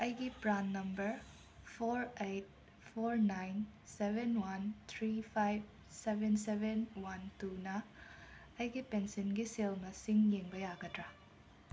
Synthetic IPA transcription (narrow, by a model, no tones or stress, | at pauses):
ɐjɡipɾanːɐmbɐɾ | pʰoɾejt̚ | pʰoɾnajnsebenwɐnt̪ʰɾipʰajb̚ | sebʱensebʱenwɐntunɐː | jɡipensenɡiselnɐsiŋjeŋbɐjaɡɐtɾa